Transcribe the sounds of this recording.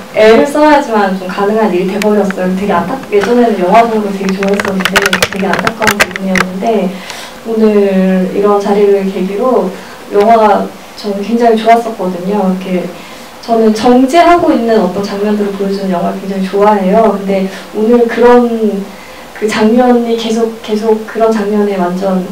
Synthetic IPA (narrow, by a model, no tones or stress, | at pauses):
e̞ɾɯɭs͈ʌɦad͡ʑimant͡ɕomkanɯŋɦaniɾte̞bʌbijʌs͈ʌjoktwe̞ɡe̞antʰakje̞d͡ʑʌne̞nɯnjʌŋɦwad͡ʑʌŋoɡtwe̞ɡet͡ɕoas͈ʌndenɯtʰe̞ɡe̞antʰak͈̚ʌnpibuŋijʌnːɯnde̞ | onɯɭɭḭɾʌnt͡ɕaɾiɾɯɭke̞ɡiɾo | jʌŋɦaa | t͡ɕʌmkwe̞ŋd͡ʑaŋit͡ɕoas͈ʌk̚k͈ʌdɯɲoiɾʌkʰe̞ | t͡ɕʌnɯnt͡ɕʌŋd͡ʑeɦaɡoinːɯnʌt͈ʌnt͡ɕaŋɲʌndɯɾoɭpojod͡ʑinɯnjʌŋɦwaɡakwe̞ŋd͡ʑaŋit͡ɕoaɦe̞jokɯnde̞onɯɭkɯɾʌn | kɯt͡ɕaŋɲʌɲike̞s̬ʰok̚k͈e̞sʰok̚k͈ɯɾʌnt͡ɕaŋɲʌne̞wand͡ʑʌn